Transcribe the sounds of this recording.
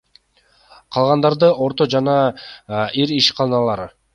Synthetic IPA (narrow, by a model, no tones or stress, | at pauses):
qʰɑlˠʁɑnd̪ɑɾd̪ɯo̞ɾt̪o̞d͡ʒɑnɑ | iɾiʃqʰɑlˠɯnɑlˠɑɾɯ